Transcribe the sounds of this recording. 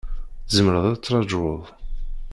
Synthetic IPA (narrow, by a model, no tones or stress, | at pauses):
zəmɾəðˤæt͡sːɾˤɑd͡ʒwəðˤ